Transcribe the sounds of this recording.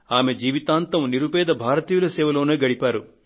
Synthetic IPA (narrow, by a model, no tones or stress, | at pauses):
aːme̞d͡ʒiːʋit̪aːnt̪ɐmniɾubɛːd̪ɐbʱaːɾɐt̪iːjulɐsɛːʋɐlo̞ːneːɡɐɽipaːɾu